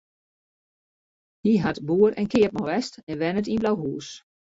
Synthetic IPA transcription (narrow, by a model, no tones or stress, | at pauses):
hiɦatbuəɾɛnkʰɪəp̚mɔʋɛstɛnʋɛnətinblawɦuːs